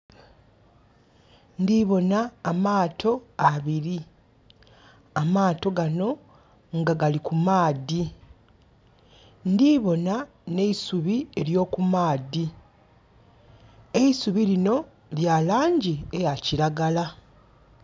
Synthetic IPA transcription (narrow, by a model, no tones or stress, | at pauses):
ndiβo̞naːmaːtʰo̞aβiɾi | amaːto̞ɡano̞ | ŋɡaɡalikumaːði | ndiβo̞na | ne̞isuβie̞ljo̞ːkumaːði | e̞isuβilino̞ | ljalaːɲɟiejaciɾaɡala